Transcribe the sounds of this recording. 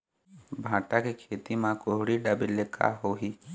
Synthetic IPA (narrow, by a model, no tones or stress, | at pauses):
bʱãːʈakekʰeːt̪imãkoɦʊɽiɖabɪlːekʰa̰ɦoɦi